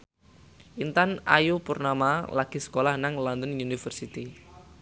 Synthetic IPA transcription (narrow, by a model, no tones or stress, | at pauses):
ʔint̪ana̰jupurnamalaɡ̥i̤sə̥kolahnaŋlɔnd̪ənunifərsit̪i